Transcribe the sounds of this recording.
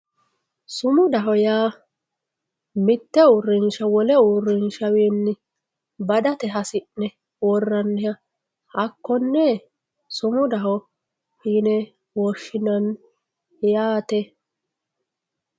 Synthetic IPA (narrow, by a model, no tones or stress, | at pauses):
sʊmʊd̪ɐɦɔjaː | mɪt̪ːɛʊrːɪnʃɐwɔlɛʊrːɪnʃɐweːnːɪ | bɐd̪ɐt̪ɛɦɐsɪnːɛ | wɔrːɐnːɛjɐ | hɐkːɔnːɛ | sʊmʊd̪ɐɦɔ | hiːnɛ | wɔʃːɪnɐn | jaːt̪ɛ